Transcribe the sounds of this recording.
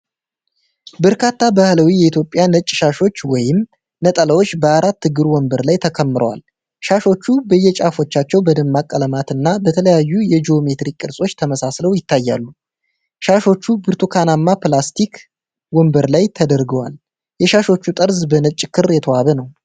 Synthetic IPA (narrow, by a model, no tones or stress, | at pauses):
bəɾkʰat̪ʰːabahləwijɛit̪ʰjo̞pʼjanət͡ʃʼːʃaʃo̞t͡ʃːwɔjɪm | nət̪ʼələwo̞t͡ʃːbəaɾat̪ːɨɡɨɾwɔmbəɾlajt̪ʰəkʰəmːɨɾʔə̰wa̰l | ʃaʃo̞t͡ʃːubəjːɛt͡ʃʼafo̞t͡ʃːat͡ʃːɛwbəd̪ɨmːakʼːələmat̪ɨnːabət̪ʰələjajːujɛd͡ʒio̞me̞t̪ɾikʼːɨɾsʼo̞t͡ʃːt̪ʰəməsasləwjɪt̪ʰːajːalːu | ʃaʃo̞t͡ʃːubɨɾt̪ʰukʰanamːaplast̪ʰik | wɔmbəɾlajt̪ʰəd̪əɾɡəwa̰l | jɛʃaʃo̞t͡ʃːut̪ʼəɾzbənət͡ʃʼːkʰɨrjɛt̪ʰəwaβənəw